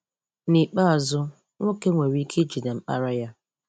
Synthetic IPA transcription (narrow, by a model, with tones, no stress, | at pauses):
ni˨k͡pa˦a˨zʊ˦ | ŋʷo˦ke˦ŋʷe˨ɾi˦kʰe˦d͡ʒi˨da˨m̩˦k͡pa̰˦ɾa˦ja˦